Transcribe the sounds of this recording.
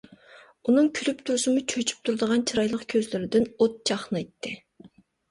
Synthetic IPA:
unɨŋkʲʰylyp̚t̪ʰuɾsɨmut͡ʃʰøt͡ʃʰy̥p̚t̪ʰuɾd̪əʁɑnt͡ʃʰiɾɑjlˠəqkʲʰøzlyɾɪd̪ɪnot̪̚t͡ʃʰɑχnɨjt̪ʰːɪ

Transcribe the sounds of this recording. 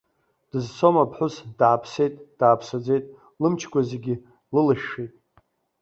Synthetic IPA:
d̥ɨzt͡sʰomapʰħʷʊsd̥aːpʰse̞jtʼd̥aːpʰsad͡ze̞jtʼ | lɨmt͡ʃʰɡʷazeɡʲi | lɨlɨʃːejtʼ

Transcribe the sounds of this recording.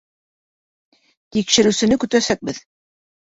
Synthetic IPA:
t̪ikʃɘ̆ɾɘ̆wsɘ̆nɘkɵ̆t̪æsæk̚bɘð

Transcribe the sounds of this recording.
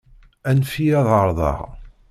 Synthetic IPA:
ænfijæðˤəɾˤðˤɑ̰ʁ

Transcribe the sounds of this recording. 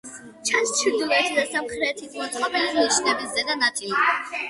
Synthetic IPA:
t͡ʃʰanst͡ʃʰiɾd̪ulɛt̪ʰid̪asamχɾɛːt̪ʰisʰmɔt̪ʰχʰabɛliniʃnɛbisɛd̪anat̪ʰili

